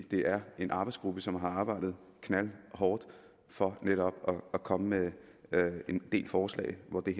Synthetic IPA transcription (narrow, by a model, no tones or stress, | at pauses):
d̥e̝ʔæɐe̝nʔɑ̈b̥ɪsɡ̥ʁub̥əsɒ̽mɦɑ̈ɑ̈ːb̥ɑ̈ɪ̰d̥ð̩ˠ | kʰnælhɒːd̥ | fɒ̽neɾɒ̽b̥ɒːkʰɒ̽məme | end̥e̝̰ːlfɒːslɛ̰ːɪʋɒd̥e̝